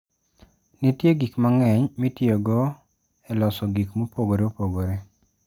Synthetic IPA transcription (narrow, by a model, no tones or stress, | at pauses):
nitjeɡikmaŋɛɲmitjoɡɔ | ɛlɔsɔɡikmopoɡoɾeopoɡoɾe